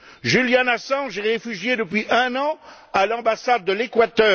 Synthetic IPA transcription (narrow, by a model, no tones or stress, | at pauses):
ʒyljanasɑ̃ʒeʁefyʒjed̪əpɥiʔɛ̃nɑ̃ | alɑ̃basad̪̚ːəlekwat̪œː